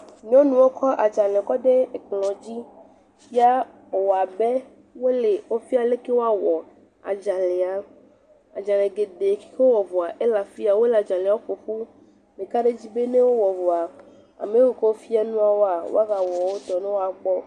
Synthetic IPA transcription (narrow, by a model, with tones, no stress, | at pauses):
ɲ˦ɔ̃˦nũ˨wo˦kʰɔ˦ʔa˨d͡ʒa˨lɛ˨kɔ˦ɖe˦˨k͡plɔ̃˨d͡ʑi˦ | fi˦a˦ | o˨wa˨be˦ | wo˦le˨wo˦fi˦a˨le˦ke˦wo˦a˦wɔ˨ | a̰˨d͡ʒã˨le˨a˨ | a˨d͡ʒã˨lẽ˨ɡe˨ɖe˨ke̥˦ke˦wo˦wɔ˨vo˨a˨ʔe˦la˨fi˦a˨wo˦la˨d͡ʒa˨le˨a˨˦o˦fo˨ɸu˦ | mẽ˨ka˦ɖe˦d͡ʑi˦be˦ne˦wo˦wɔ˨vo˨a˨ | a̰˨mẽ˨˦wu˨ke˦wo˦fi˦a˦nũ˦a˨wo˦a˨wo̰˦a˦ɣa˨wɔ˨wo˦t̪ɔ˨nẽ˦wo˦a˨k͡pɔ˦